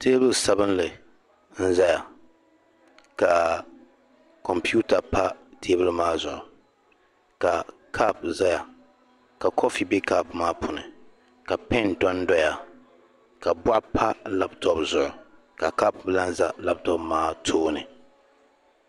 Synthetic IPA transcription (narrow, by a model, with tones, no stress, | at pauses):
tʰeː˦bʊ˨lsa˦bɨ˦nlɨ˨ | n̩˦za˦ja˨ | ka˨ | kɔ˨mpi˦u˦ta˨pʰa˦tʰeː˦bɨ˦lmaː˦zʊ˨ʔʊ˨ | ka˨ | kʰa˦pza˦ja˨ | ka˨kʰɔ˦fi˨bɪ˦ka˦pmaː˦pʰʊ˨nɨ˨ | ka˨pɛ˦ndɔ˦n˦dɔ˦ja˨ | ka˨bwa˦ʔpʰa˦la˦p̚tʰɔ˦pzʊ˨ʔʊ̰˨ | ka˨ka˦pbɨ˦la˦n˦za˦la˦p̚tɔ˦pmaː˦tʰoː˦nɨ˨